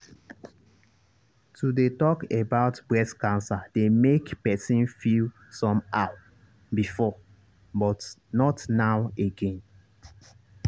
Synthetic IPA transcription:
tʰudetɔkebaʊtbɹɛskãnsademekpɛsĩnfil | sɔ̃mawa | bifɔ | bɔtnɔtnaweɡẽn

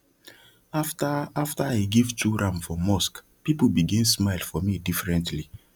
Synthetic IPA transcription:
aftaftəaɡivtʰuɹãmfɔmɔsk | pipl̩biɡĩnsmaɪlˠfɔmidifɹɛ̃ntʰli

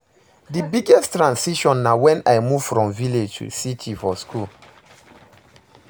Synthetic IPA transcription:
dibiɡɛstɹãnsiʃɔ̃nːawɛ̃najmuv̥fɹɔ̃mviled͡ʒtʰṵsitʰifɔskul

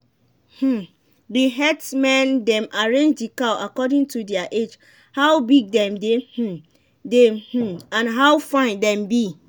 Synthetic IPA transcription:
h̩ | deɦɛtmɛ̃ndɛ̃mʔaɹẽnd͡ʒdikawʔakɔdĩŋtudɛaʔed͡ʒ | hawbiɡ̚dɛ̃mdehm̩ | deh̩ãnɦawfãɪ̃ndɛ̃mbi

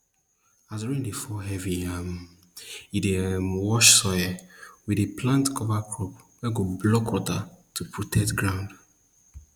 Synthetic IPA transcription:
aduɹĩndefɔɦɛviam | idemwɔʃsɔjɛwidepʰlãntkʰɔvakʰɹɔp | wɛɡoblɔkwɔtatʰupʰɹotʰɛk̚tɡɹãʊ̃nd

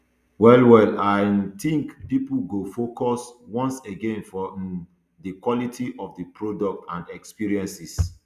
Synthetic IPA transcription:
wɛlwɛlaɪt̪ĩŋkpipuɡofokɔswɔ̃nseɡẽnfɔ | dəkwɔlitʰiʔɔfdəpɹodɔk̚tãndɛkspiɹiɛ̃nsis

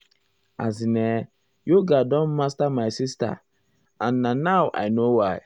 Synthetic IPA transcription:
a̰zine | joɡadɔ̃nmastamajsista̰ | anːanawʔa̰jnowaj

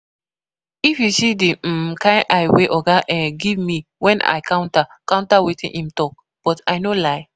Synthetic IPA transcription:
ifjusidim̩kãɪ̃nʔajweʔɔɡaʔɛ̃ɡivmiwʔɛ̃nʔa̰ɪkãʊ̃ntakãw̃ntawetḭ̃nhĩmtɔk̚ | b̥ɔtajnolaɪ

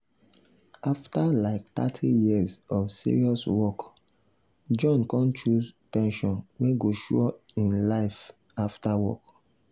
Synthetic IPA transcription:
aftalaɪk̚t̪a̰tʰijizɔfsḭɹiɔswɔk | d͡ʒɔ̃nkɔ̃nt͡ʃuzpɛ̃nʃɔ̃nweɡoʃuɔ | ĩnlaɪf | aftawɔ̰k

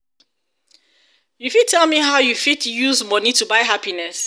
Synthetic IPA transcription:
jufid̚tʰɛlˠmiɦaʊjufitjuzmʌnitubaɪɦapinɛs

